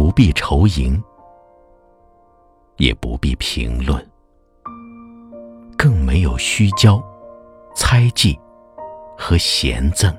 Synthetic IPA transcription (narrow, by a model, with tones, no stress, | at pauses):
u˧˥pi˥˩ʈ͡ʂʰo˧˥ʊi˧˥ŋ | jɛ̰˨˩pṵ˧˥pi˥˩pʰḭ˧˥ŋlwə̰˥˩n | kɤ˥˩ŋme˧˥ɪjo˨˩ʊɕy˥t͡ɕjɑ˥ʊ | t͡sʰa˥ɪt͡ɕi˥˩ | xɤ˧˥ɕjɛ̰˧˥nt͡sɤ˥˩ŋ